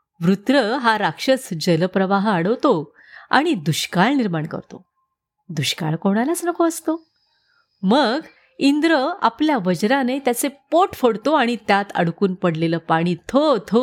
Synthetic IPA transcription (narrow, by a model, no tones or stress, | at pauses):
ʋɾut̪ɾəɦaɾakʂət͡sd͡ʑəlpɾəʋaɦaɽəʋt̪o | a̰ɽ̃id̪uɕkaɭniɾmaɳkə̰ɾt̪o | d̪uɕka̰ɭkoɽ̃alat͡snəkoəst̪o | məɡ | ind̪ɾəa̰pljaʋəd͡ʑɾanet̪jat͡sepoʈfəɽt̪oaɽ̃it̪jat̪ə̰ɽkuːnpəɽleləːpaɽ̃iːt̪ʰot̪ʰo